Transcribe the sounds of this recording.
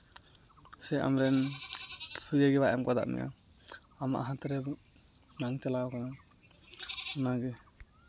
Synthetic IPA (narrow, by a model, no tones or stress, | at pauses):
sɛa̰mɾɛn | pʰuɡaɡɛbaʔɛmkad̪a̰ʔnɛ̰ʔa̰ | ama̰ʔɦãt̪ɾɛ | naŋt͡ʃalaɔkana | ɔnaɡɛ